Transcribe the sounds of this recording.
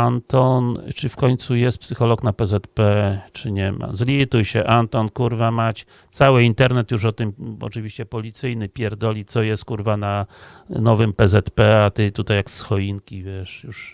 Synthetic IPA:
ant̪ɔnt͡ʂɘfkɔɲt̪sujɛst̪̚psɘxɔlɔknapɛzɛt̪pɛt͡ʂɘɲɛma̰zlʲit̪ujɕɛʔant̪ɔnkuɾvamat͡ɕ | t̪sawɘint̪ɛɾnɛt̪juʂɔt̪ɘmɔ̰t͡ʂɨvʲiɕt͡ɕɛpɔlʲit̪sɘjnɘpʲjɛɾd̪ɔlʲit̪sɔjɛst̪̚kuɾvana | nɔvɘmpɛzɛt̪pɛat̪ɘt̪ut̪ajːaksxɔjiŋkʲivʲjɛʂjuʂ

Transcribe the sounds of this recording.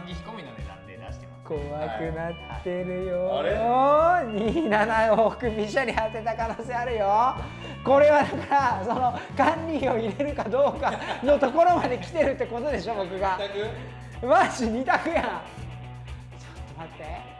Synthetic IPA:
i̥kominoeat̪ː | koakɯ̟nat̪ːe̞ɾɯ̟jo | ɲinanaokɯ̟bʲiɕaɾʲihase̞t̪akano̞ːse̞aɾɯ̟jo | ko̞ɾe̞βanaŋkaaso̞no̞kãnʲɾʲiːo̞iɾe̞ɾɯ̟kad̪o̞ːkano̞t̪o̞ko̞ɾo̞mad̪e̞kʲi̥t̪e̞ɾɯ̟t̪ːeko̞t̪o̞d̪e̞ɕo̞bo̞kɯ̟ɡa | maɕiɲ̟it̪akɯ̟jã | somat̪ːe

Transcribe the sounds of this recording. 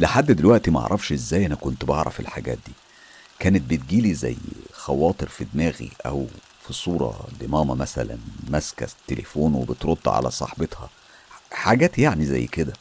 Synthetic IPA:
leħad̪ːd̪elwæʔt̪imæʔɑ̰ʕɾˤɑfʃʔezːæːjʔænækont̪bɑʕɾˤɑ̰fḛlħaɡæ̰ːt̪̚d̪iː | kæːnet̪̚bet̪̚ɡiːlizæ̰jːxæwɑːt̪ˤeɾfid̪næːɣḭʔæw | fisˤuːɾˤɑ̰d̪emɑːmæmæsælæ̰nmæskæ̰t̪ːelʔefoːnwebet̪ɾot̪ˤːʕa̰læ̰sˤɑ̰ħbet̪hɑ | ħaɡæːt̪jaʕnizæ̰jːked̪æ

